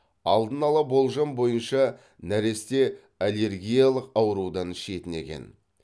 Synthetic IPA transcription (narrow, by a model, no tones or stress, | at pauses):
ɑlˠd̪ənɑlˠɑbo̞lˠʒɑmbo̞jənʃɑ | næɾe̞st̪e̞ | alʲe̞ɾɡʲijɑlˠəqɑwəɾud̪ɑnʃe̞t̪ɪne̞̰kʲe̞̰n